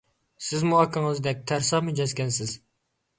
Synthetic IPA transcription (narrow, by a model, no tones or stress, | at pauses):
sɪzmuɑkʰɨŋəzd̪ɛk̚ʲt̪ʰæɾsɑmɨd͡ʒɛzkʲɛnsɪz̥